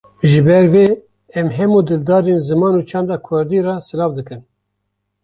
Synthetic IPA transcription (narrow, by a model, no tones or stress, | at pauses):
ʒɨbɛɾveː | ɛmɦɛmuːd̪ɨld̪ɑːɾenzɨmɑːnuːt͡ʃʰɑːnd̪ɑːkʰʊɾd̪iːrɑsɨlɑːvd̪ɨkɨn